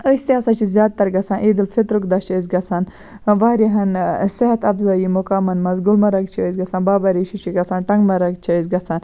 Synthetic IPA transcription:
əst̪iɐsat͡ʃʰizʲjaːd̪̚t̪ːɐɾɡɐsaːnʔiːd̪ilfit̪ɾukd̪ɐt͡ʃəːz̬ɡɐsʰaːn | ʋaːɾiɦɐnseɦɐt̪ɐbzɐːjimukaːmɐnmɐzɡulmɐɾɐk̚t͡ʃʰəzɡɐsaːnbaːbɐɾiʃʰit͡ʃʰiɡɐsaːnʈɐŋɡmɐɾɐk̚t͡ʃʰizɡɐsaːn

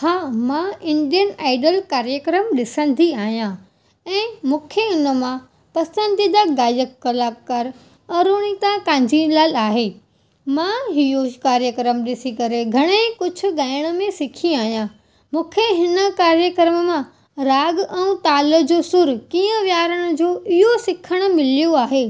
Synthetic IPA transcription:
haːmãɪ̃nɖijənaːɪɖəlkaːɾjəkɾəmɗɪsə̃n̆d̪ʱiaːɦijã | ɛ̃ːmũːkʰeʊnəmã | pɐsə̃nd̪ʱid̪aɡaːjəkːɐlaːkːɐɾ | ɐɾoːɽ̃it̪ãkãːɲd͡ʑʱilaːlaːɦeː | mãɦɪjokaːɾjəkɾəmɗɪsikɐɾeɡʱɐɽ̃ekʊd͡ʑʱʰʊ̆ɠaːɪɽ̃ə̆mẽsɪkʰĩaːɦijã | mũːkʰeɦɪnə̆kaːɾjəkɾəmmã | ɾaːɡɛ̃ũt̪aːləd͡ʑoːsʊɾkiːə̃ʋjaːɾəɽ̃ʊ̆d͡ʑoːʔɪɦosɪkʰəɽ̃ʊ̆mɪlijoaːɦeː

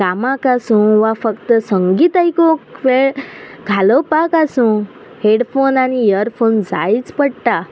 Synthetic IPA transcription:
kamakasũʋafəkt̪əsəŋɡiːt̪ajkokʋeɭɡʱaləpakasũ | heɽfonanijəɾfond͡za̰jt͡spəɽʈa

